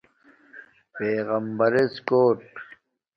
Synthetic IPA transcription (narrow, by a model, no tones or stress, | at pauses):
peːɣɐmbɐɾeskoːʈ